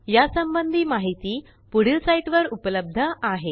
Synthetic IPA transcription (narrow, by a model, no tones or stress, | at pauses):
jasəmbənd̪ʱiːmaɦit̪iː | puɽ̤isaiʈʋəɾupələb̚d̪ʱəaɦe